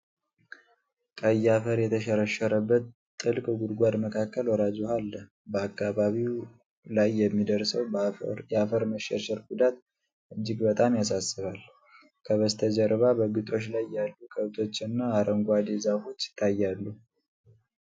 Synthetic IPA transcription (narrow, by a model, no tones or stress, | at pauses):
kʼəjːafəɾjɛt̪ʰəʃəɾəʃəɾəbːət̪ | t̪ʼːɨlkʼɡud̪ɡʷad̪məkʰakːəlwɔɾad͡ʒohalːə | bəakːaβaβiw | lajːɛmːid̪əɾsəwjɛafəɾməʃɛʃəɾɡud̪at̪ | ʔɨd͡ʒːɪɡbət̪ʼamjas̬asːɨβal | kʰəβəst̪ʰəd͡ʒəɾβabəɡɨt̪ʼo̞t͡ʃlajːalːukʼʰəβt̪ʰo̞t͡ʃːɨnːaːɾʔəŋɡʷad̪ezafo̞t͡ʃːɪt̪ʰːajːalːu